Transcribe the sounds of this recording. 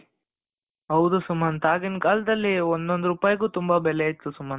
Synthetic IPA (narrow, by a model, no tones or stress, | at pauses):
ɦɐwd̪usumːɐnt̪aːɡinkaːlɐd̪ɐlːiond̪ond̪uɾupaːjɡuːt̪umbɐbɛleit̪ːusumːɐn